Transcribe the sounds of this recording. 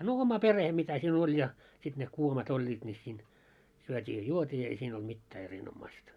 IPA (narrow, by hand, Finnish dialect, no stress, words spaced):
no omɑ pereh mitæ siːn olʲ jɑ sit ne kuomɑt olʲːiːt nʲi siːn syøtʲiː jɑ juotʲiː ei siːn olt mitːæː erinomːɑĭstɑ